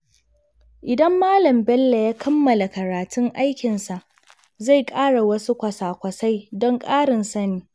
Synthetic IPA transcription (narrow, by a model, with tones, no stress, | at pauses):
ʔɪ˨dɐ˦mːaː˦lɐ˨mbɛ˦lːa˨jaː˦kʰɐ˦mːɐ˨la˨kɐ˨ɾaː˨tʰʊ˦ŋʔa˦jkʲɪ˨nsa˨ʔ | za˦˨jkʼaː˦ɽa˨wɐ˦su˦kʷɐ˨saː˨kʷɐ˨sa˦jdɔ˦ŋkʼaː˦ɽɪ˨nsɐ˦niː˦